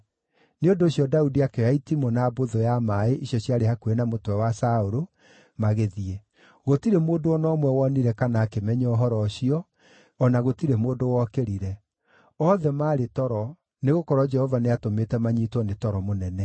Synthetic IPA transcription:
neondoːɕjɔdaudiakeaitimonaːboðojamaeʔiɕjɔɕjaɾehakuenamotwɛwasaoɾo | maɣeðiɛ | ɣotiɾemoːndoɔnɔmwɛwɔniɾɛkanaːkemɛɲɔɔɦɔɾɔɕiɔː | naɣotiɾemoːndowɔkeɾiɾɛ | ɔðɛmaːɾetɔɾɔ | neɣokɔɾwɔd͡ʒɛhɔvaneatometɛmaɲitwɔnetɔɾɔmonɛnɛ

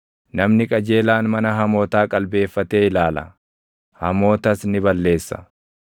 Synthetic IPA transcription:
nɐmnɪkʼɐd͡ʒe̞ːlaːnmɐnɐɦɐmo̞ːt̪aːkʼɐlbe̞ːfːɐt̪eːɪlaːlɐ̰ | hɐmo̞ːt̪ɐsnɪbɐlːe̞ːsːɐ̥̰

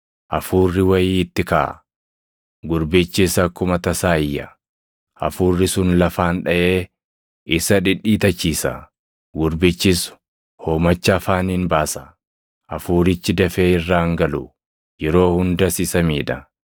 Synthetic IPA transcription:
ʔɐfuːrːɪwɐjiːɪt̪ːɪka̰ː | ɡʊɾbɪt͡ʃːɪsɐkːʊmɐt̪ɐsaːɪjːɐ | ʔɐ̰fuːrːɪsʊnlɐfaːnᶑɐʔeː | ʔɪsɐᶑɪᶑːiːt̪ɐt͡ʃːiːsɐ̰ | ɡʊɾbɪt͡ʃːɪs | ho̞ːmɐt͡ʃːɐːfaːniːnbaːsɐ̥ | ʔɐfuːɾɪt͡ʃːɪd̪ɐfeːɪrːaːŋɡɐlʊ | jɛɾo̞ːhʊnd̪ɐsisɐmiːᶑ̪ɐ

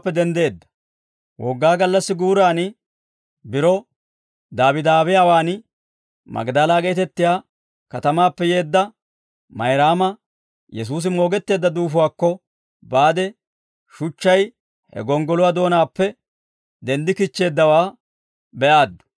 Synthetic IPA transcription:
pːɛd̪ɛnd̪e̞ːd̪ːɐ̥ | wʔɔɡːaːɡɐlːɐsːɪɡuːɾaːnɪ | bɪɾɔ | d̪aːbɪd̪aːbɪjaːwaːn | mɐ̰ɡd̪alaːɡɛt̪ɛt̪ːɪjaː | kɐt̪ɐmaːpːɛje̞ːd̪ːɐ | mɐjɾaːmɐ | jɛs̬uːs̬ɪmo̞ːɡɛt̪ːe̞ːd̪ːɐd̪uːfʊwaːkːɔ | baːd̪ɛ | ʃʊt͡ʃːɐj | hɛ̰ɡɔŋɡɔlʊwad̪o̞ːnaːpːɛ | d̪ɛnd̪ɪkɪt͡ʃːe̞ːd̪ːɐwaː | bɛʔaːd̪ːʊ̥

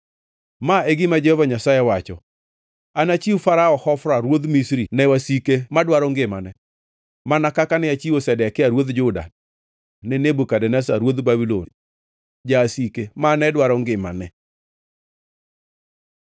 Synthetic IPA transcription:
maeɡɪmad͡ʒɛhɔvaɲasajɛwat͡ʃɔ̰ | anat͡ʃiwfaɾaɔhɔfɾaɾwod̪misɾinɛwasikemadwaɾɔŋɡɪmanɛ | manakakanɪat͡ʃiosɛdɛkɪaɾwod̪d͡ʒʊda̰ | nɪnebukadɛnɛsaɾwod̪babilon | d͡ʒasikemanɛdwaɾɔŋɡɪma̰nɛ

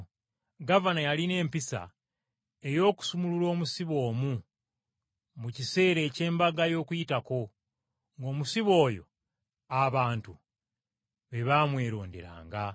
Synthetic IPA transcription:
ɡavanajaline̞ːmpisa̰ | e̞jo̞ːku̥sumululo̞ːmusiβo̞ːmu | mucise̞ːɾe̞ːce̞ːmbaɡajo̞ːkujitako̞ | ŋɡo̞ːmusiβo̞ːjo̞̰ | aβaːntu | βe̞βamwe̞ːɾo̞̰ːndḛɾa̰ːŋɡa

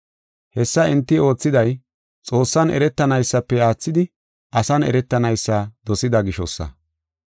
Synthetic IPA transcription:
hɛsːɐɛnt̪ːɪo̞ːt͡sːɪd̪ɐj | t͡sʼo̞ːsːɐnɛ̰ɾɛt̪ːɐnɐjsːɐpːɛaːt͡sːɪd̪ɪ | ɐsɐnɛ̰ɾɛt̪ːɐnɐjsːɐd̪ɔsɪd̪ɐɡɪʃɔsːɐ̰

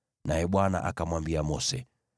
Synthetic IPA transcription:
najɛɓwana̰ʔakamwambiamɔsɛ

